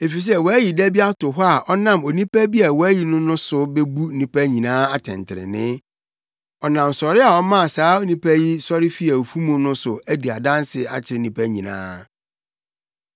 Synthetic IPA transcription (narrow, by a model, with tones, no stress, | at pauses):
e˨fi˨s̬ɛ˦wɔ˨æ˦ji˨dæ˦bi˦a˦tʊ˨ɦɔ˦a˨ʔɔ˦nã˦˨mo˨nĩ˦pʰæ˦bi˦a˨wɔ˨æ˦ji˨nʊ̃˦nʊ̃˦sʊ˦bɛ˦bu˦nĩ˨pæ˦ɲĩ˨nãː˦a˨tʰɪ̰̃˨ntʰɪ˨ɾɪ̰˨nɪ̃˦ | ɔ˨nã˨msɔ˨ɾɪ˦a˨ɔ˦mã˦a˨saː˦o˦nĩ˦pʰæ˦ji˦sɔ˦ɾɪ˦fi˦æ˨o˨fu˦mũ˨nʊ̃˦sʊ˨æ˦di˨a˨dã˦nsɪ˨a̰˨t͡ɕʰɪ˨ɾɪ˨˦nĩ˨pʰæ˦ɲĩ˨nã̰ː˦